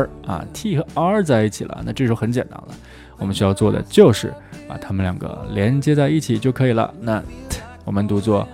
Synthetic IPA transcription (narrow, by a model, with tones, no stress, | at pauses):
a̰˧˩t̪ʰi˥˩xɤ˧˥ə˥t͡sa˥˧ɪi˥˩t͡ɕʰi˨˩lə̰˦na˥˧ʈ͡ʂɤ˥˩ʂ̩˧˥xxə˧˥nt͡ɕjɛ̰˨˩nt̪a̰˥nlə̰˨ | wɔ˨˩mə˦nɕy˥jɑ˥˧ʊt͡swɔ˥˩d̪ə̰˩t͡ɕjo˥˧ʊʂɻ̩˥˩a̰˨˩t̪ʰa˥mə˧nljɑ˨˩ŋɡə̰˧˦ljɛ˧˥nt͡ɕjɛ˥t͡sa˥˧ɪi˥˩t͡ɕʰi˨˩t͡ɕjo˥˩ʊkʰɤ˧˥i˨˩lə̰˧˦na˥˧twɔ˨˩mə˦nt̪u˧˥t͡swɔ˥˩